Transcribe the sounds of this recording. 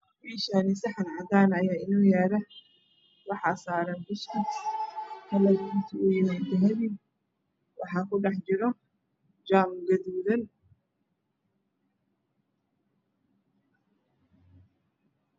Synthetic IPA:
biːʃanɪsɪħɑnʕɑdaːnɐjaːɪnɔːjaːɾɐ | wɑħɑsaːɾɐnbʊskɐskʰɐlɐɡit̪ʰʊʔʊjɪmaːt̪ʰɐɦɐβi | wʔɑħɑːkʰʊɖɛħt͡ʃɪɾɔ | d͡ʒaːmɡɐðuːðɐn

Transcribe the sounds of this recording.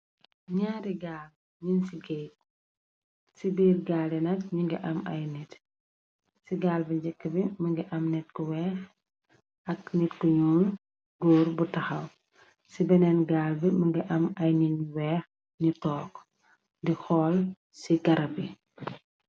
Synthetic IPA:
ɲaːɾiɡaːl | ɲinsiɡɛjt | sibiːrɡaːlɛnɐk̚ɲiŋɡɐʔɐmɐ̰jnɛt | siɡaːlbiɲd͡ʒɛkːəbimɐŋɡɐʔɐmnɛt̚kɔwɛːx | ɐk̚nɛtkɔjuːn | ɡɔːrbutɐxɐw | sibɛnɛnɡaːlbimɐŋɡɐʔɐmɐjninwɛːx | nitɔːk | dixɔːl | siɡɐɾɐbi

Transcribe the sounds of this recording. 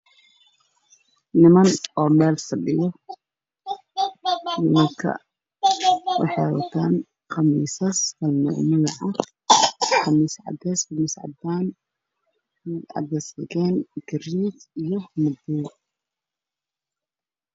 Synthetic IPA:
nɪmɐnɔːmɛːlsɐɖɪjɔ | nɪmɐŋkʰɐ̰ | wɑ̰ħɑwɐ̰t̪ʰaːn | qɑmiːsɐsfɐlnɔ̰ʕmɪnɐʕɑ | qɑmiːsʕɑ̰d̪ɛːsqɑmiːsʕɑ̰d̪aːn | ʕɑ̰d̪ɛːsɐɣɛːnɡ̥ɐɾiːd̪ijɞmʊd̪uː

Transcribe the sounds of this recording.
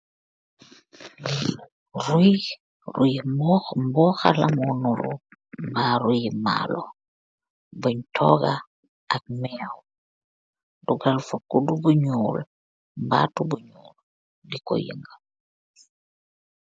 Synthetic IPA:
di | ɾuj | rujimbɔxmbɔxa̰lamɔnuɾṵmbaːɾujima̰lɔ | buɲtʰɔ̰ɡa | ak̚mɛw | duɡalfukːudubuɲuːl | mba̰tubuɲuːl | dikɔ̰jḭŋɡə

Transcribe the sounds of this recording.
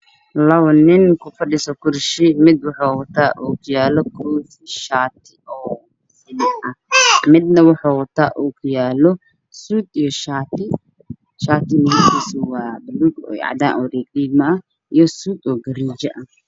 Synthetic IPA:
lɐwnɪnkʰʊfɐɗɪsɔkʰʊɾʃɪmɪd̪wɑħawɔt̪ʰaːʔuːkʰʊjaːlɔkʰɔːt̪ | ʃaːt̪ʰɪ̥ʔɔː | sɪnɪʔɐhmɪd̪̚nɐwɑħawɔt̪ʰaːʔuːkʰʊjaːlɔ | suːd̪ijɔʃaːt̪ɪ | ʃaːt̪ɪmɐhɛkʰisɔwɑːbɐluɡɔ̰ːʕd̪aːnʔɔriːkliːɡmɐɐ | ʔijɔsuːd̪ɔːɡɐɾiːd͡ʒɐʔɐ

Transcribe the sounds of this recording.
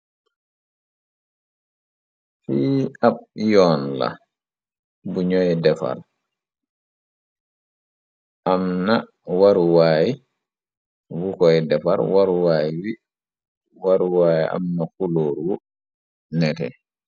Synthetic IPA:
fiabjɔːnla̰ | buɲɔjɛdɛfa̰ɾ | ʔamna | waɾuwaːji | wukɔɛdɛfa̰ɾwaɾuwajiwi | waɾuwajḭʔa̰mnakuloːɾwu | nɛtɛ̰

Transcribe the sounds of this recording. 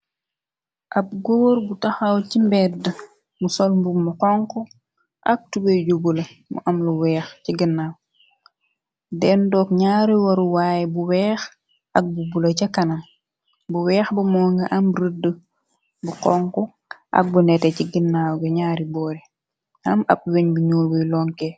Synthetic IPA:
ʔɐp̚ɡoːɾbutɐxɐwcimbɛdə | musɔlmbumuqɔŋku | ʔɐk̚tubeɟubulɐmṵʔɐmluwɛːxciɡinːaːw | dɛndɔːk̚ɲaːɾiwɐɾuwaːjɛbuwɛːx | ɐk̚bubulɐcɐkɐnɐm | buwɛːxbumɔːŋɡɐʔɐmɾədə | buqɔŋku | ʔɐ̰k̚bunɛtɛciɡinːaːwɡɐɲaːɾibɔːɾi | ɐmɐ̰p̚weɲbuɲuːlbujlɔŋkɛ

